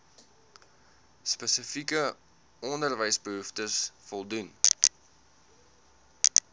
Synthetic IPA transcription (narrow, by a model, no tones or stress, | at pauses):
spəsəfikə | ɔndərvəjsbəɦuftəsfɔlˠdun